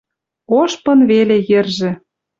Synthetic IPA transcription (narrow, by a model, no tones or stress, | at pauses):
oʃpɤ̆nβelejĕrʒĕ